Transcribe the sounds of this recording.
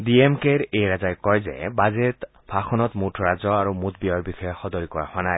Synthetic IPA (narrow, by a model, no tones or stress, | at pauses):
diemkeɹejɹazajkɔjzɛ̰bazet̪ | bʱaxʰɔnɔt̪mutʰɹazɔaɹumut̪̚biɔɹbixɔjɔxɔd̪ɔɹikɔɹa̰xwanaj